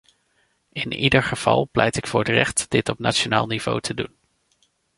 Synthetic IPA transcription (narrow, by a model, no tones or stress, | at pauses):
ɪnidəɹχəv̥ɑ̰lˠplʔɛjtɪkfʊːɹətrɛχtd̥ɪtɔpnat͡ʃona̰ːlˠniv̥o̰wtʰədun